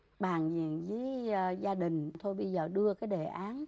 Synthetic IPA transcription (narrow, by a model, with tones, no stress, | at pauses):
ɓaː˨˩ŋzḭ˧˩ənzi˨˦jzaː˧ɗï˨˩ŋ̟t̪ʰo˧jɓə˧jzəː˨˩ɗɨ˧əkaː˨˦jɗe˨˩ʔaː˨˦n